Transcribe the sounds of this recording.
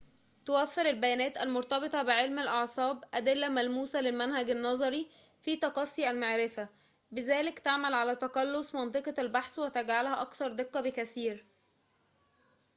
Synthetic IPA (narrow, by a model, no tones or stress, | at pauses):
t̪owæfːeɾælbæjæːnæːt̪ælmoɾt̪ɑbet̪ˤɑbɪʕelmælʔɑʕsˤɑːbʔæd̪elːæmælmuːsælelmænhæɡænːɑzˤɑɾi | fiːt̪ɑqɑsˤːiːʔælmaʕɾɪfæ | bɪzæːlɪkt̪aʕmælʕalæt̪ɑqɑlːosmɑnt̪ˤɨqɑælbaħswet̪æɡʕalhæʔɑkθɑɾˤd̪eqːɑbɪkæsiːɾ